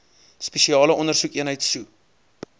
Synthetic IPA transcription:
spɛʃiɑːləʔɔnərsukiənɦəjtsu

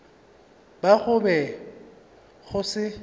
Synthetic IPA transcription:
baɣʊbɛ | ɣʊsɪ

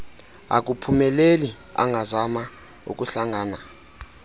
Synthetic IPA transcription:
a̰k̬ʼupʰumɛleli | a̰ŋɡʱazama | ṵk̬ʼuɬaŋaːna

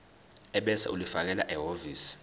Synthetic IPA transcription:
ɛɓɛsa̰ʔulifak̬ɛla̰ʔɛɦoviːs

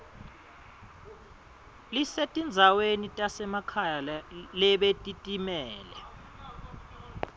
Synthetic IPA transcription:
lisetʼind͡zʱawenitʼasɛmakʰajalalɛɓetʼitʼimɛːlɛ

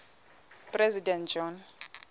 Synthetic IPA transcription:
pʼrɛzidɛnd͡ʒɔn

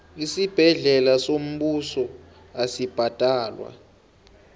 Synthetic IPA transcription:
isib̥ʱɛɮɛlasom̩ɓusɔ | asib̥ʱatʼaːlwa̰

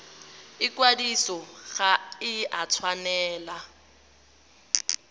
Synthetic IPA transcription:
ɪkwadisɔɣaɪat͡sʰwanɛːla

